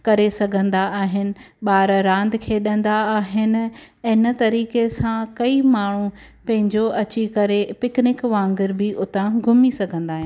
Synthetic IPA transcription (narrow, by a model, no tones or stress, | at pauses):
kɐɾesɐɡʱə̃nd̪aaːɦɪnɪ̆ɓaːɾɾãːnd̪kʰeːɗɐ̃nd̪aaːɦɪnɪ̆ | ɪnət̪ɐɾiːkesãkɐimaːɳ̤ũ | pɐ̃ɦɪ̃ɲd͡ʑoɐt͡ɕikɐɾepɪknɪkʋãːŋɡɪɾbɪʔʊt̪ãɡʱʊmisɐɡʱə̃nd̪aːɦɪ̃n